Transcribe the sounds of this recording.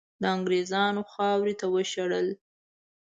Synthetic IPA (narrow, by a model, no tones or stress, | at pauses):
d̪əaŋɡɾezɑnoxɑwɾet̪awəʃaɽəl